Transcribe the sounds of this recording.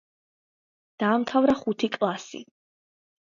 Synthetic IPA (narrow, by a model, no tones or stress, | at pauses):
d̪̥aːmt̪ʰavɾaχut̪ʰikʼlˠasḭ